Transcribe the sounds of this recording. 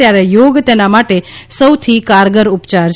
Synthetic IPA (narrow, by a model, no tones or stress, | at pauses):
jaɾejoɡt̪enamaʈesəwt̪ʰikaɾɡəɾupt͡ʃaɾ